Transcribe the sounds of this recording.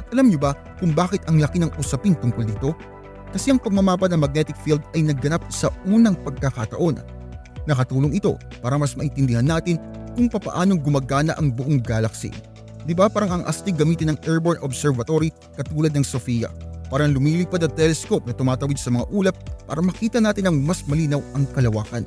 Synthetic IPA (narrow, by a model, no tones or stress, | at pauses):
ʔɐt̪ʔɐlamɲobɐ | kʊŋbaːkɪt̪ʔɐŋlɐkɪnɐŋʔusɐpɪnt̪ʊŋkold̪iːt̪o̞ | kɐsɛʔɐŋpɐɡ̚mɐmaːpɐt̪nɐŋmɐɡ̚nɛt̪ɪkfild̪ɐjnɐɡɐnap̚sɐuːnɐŋpɐɡ̚kɐkɐt̪ɐ̰ʔo̞n | nɐkɐt̪uːloŋʔɪt̪o̞̰ | paːɾɐmɐsmɐʔɪnt̪ɪnd̪ɪhanːaːt̪ɪnkʊŋpɐpɐ̰ʔaːnoŋɡʊmɐɡaːnɐʔɐŋbʊʔoŋɡaːlɐksḭ | d̪ɪbapaːɾɐŋʔɐŋʔɐst̪ɪɡɐmiːt̪ɪnɐŋʔɛɹboɹnʔobsɛɹvɐt̪oɾi | kɐt̪uːlɐd̪nɐŋsofijɐ̰paːɾɐŋlʊmiːliːpad̪ɐŋt̪ɛlɛskop̚nɐt̪ʊmaːt̪ɐwid̪sɐmɐŋa̰ʔuːlɐp̚ːa̰ːɾɐmɐkiːt̪ɐnaːt̪ɪnɐŋmɐsmɐliːnɐwɐŋkɐlɐwaːkɐn